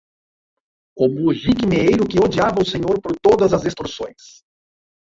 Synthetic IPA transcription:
kõmʊːʒikɪmeejɾʊkɪod͡ʒiavɐʊseɲoɾpoɾt̪od̪ɐzɐzest̪ɾusõ̰j̃s

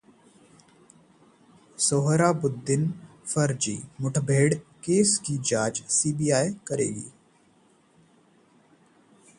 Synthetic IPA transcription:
soːɦɾaːbʊd̪ːɪn | fɐɾd͡ʒḭːmʊʈʰbʱeːɽkeːskid͡ʒaːt͡ʃsiːbiːaːekəɾḛːɡḭː

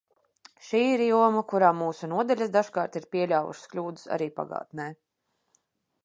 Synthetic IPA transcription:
ʃiːiɾjuɔmɐkuɾaːmuːsunuɔd̪alʲasd̪aʃkɑːɾt̪iɾpʲiɛlʲaːwṵʃsklʲuːd̪u̥sa̰ɾiːpa̰ɡa̰ːt̪nɛː

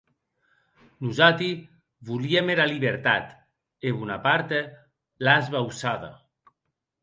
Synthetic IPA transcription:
nuzat̪i | βuliemeɾaliβeɾt̪a̰t̪ | eβunapaɾt̪e | lazβawsaða̰

